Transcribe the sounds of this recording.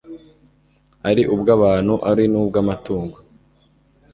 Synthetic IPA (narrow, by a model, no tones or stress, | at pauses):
aɾiʔubɡaːβaːnhuʔaɾinuːbɡamatuːŋɡo